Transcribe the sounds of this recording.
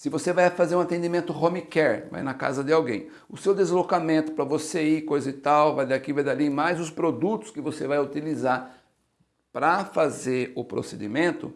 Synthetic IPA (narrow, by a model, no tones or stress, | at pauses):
sɪvosevajfazeɾũat̪ẽnd͡ʒ̪imẽnt̪ʊhõmikɛɾva̰jnɐka̰zɐd̪ɪawɡẽj̃ | ʊsewd̪ezlokamẽnt̪ʊ̥pɾɐvoseikojzɐɪt̪awvajd̪aakivajd̪alĩmajzʊspɾod̪ut̪ʊ̥skɪvosevajʊt̪ilizaɾ | pɾɐfazeɾʊpɾo̰sed̪ḭmẽnt̪ʊ̰